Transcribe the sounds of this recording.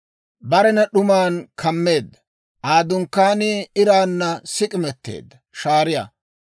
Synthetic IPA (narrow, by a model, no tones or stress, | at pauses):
bɐɾɛnɐɗʊmaːnkʰɐmːe̞ːd̪ːɐ | ʔaːd̪ʊŋkːaːnɪɪɾaːnːɐsɪkʼɪmɛt̪ːe̞̰ːd̪ːɐʃaːɾɪja̰ː